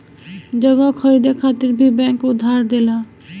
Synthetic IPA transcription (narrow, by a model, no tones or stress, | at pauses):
d͡ʑɔɡokʰoɾid̪ekʰat̪ːiɾbibɛŋkud̪ʱːaɾd̪ela